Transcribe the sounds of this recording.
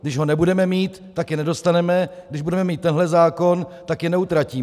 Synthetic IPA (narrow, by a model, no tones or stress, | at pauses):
ɡdɪʒɦo̞nɛbudɛmɛmiːt̪ːakjɛnɛdo̞st̪anɛmɛɡdɪʒbudɛmɛmiːt̪ːɛnɦlɛzaːko̞nt̪akjɛnɛut̪ɾaciː